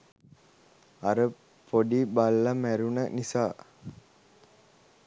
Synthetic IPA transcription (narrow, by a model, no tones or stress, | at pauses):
ɐɾə | poɖibalːamæɾunənisaː